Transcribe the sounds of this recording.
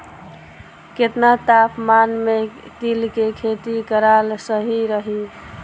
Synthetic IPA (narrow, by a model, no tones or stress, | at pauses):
ket̪nat̪apʰmanmekilkekʰet̪ikəɾalsəɦiɾəɦi